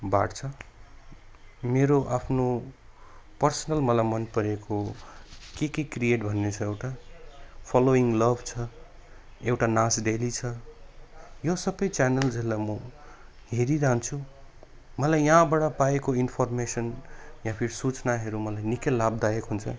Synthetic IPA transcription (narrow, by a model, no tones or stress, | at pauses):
ba̰ʈt͡sʰʌ | meɾoʔapʰno | pʌrsʌnʌlmʌlajmʌnpʌɾeko | kekekrijeʈbʱʌnːet͡sʰʌewʈa | pʰʌloiŋɡlʌbʱt͡sʰʌ | ewʈanãsɖelit͡sʰʌ | josʌbʌjt͡sanʌld͡zilːamʌ | ɦeɾiɾaɦnt͡sʰu | mʌlajːãbaɽapaekoinpʰormesʌnjãpʰiɾsut͡snaɦʌɾumʌlajnikelabd̪ajekɦunt͡sʰʌ